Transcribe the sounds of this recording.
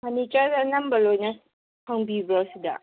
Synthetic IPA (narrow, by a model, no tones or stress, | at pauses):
manit͡ʃadanɐmbɐlojna | pʰaŋbibɾɔsida̰